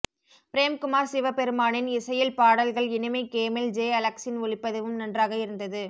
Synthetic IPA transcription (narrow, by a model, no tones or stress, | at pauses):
pɪɾeːmkʊmaːɾsɪʋɐpɛɾɯmaːnɪnɪsɐjɪlpaːɽɐlɣɐɭɪnɪmɐɪkeːmɛld͡ʒeːɐlɐksɪnʊɭɪpːɐðɐʋɯmnɐndraːɣɐɪɾɯnd̪ɐðɯ